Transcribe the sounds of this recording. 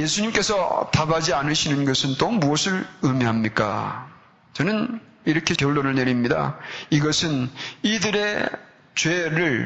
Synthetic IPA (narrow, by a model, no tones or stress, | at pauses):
jesʰuɲimk͈e̞sʰʌt̪abad͡ʑianɯɕʰinɯnɡʌsʰɯnt͈omuʌsʰɯɾɯmiɦamɲik͈a̰ | t͡ɕʌnɯn | iɾʌkʰe̞kjʌɭdoɾɯɭne̞ɾimɲida̰iɡʌsʰɯnidɯɾe̞ | t͡ɕweɾɯɭ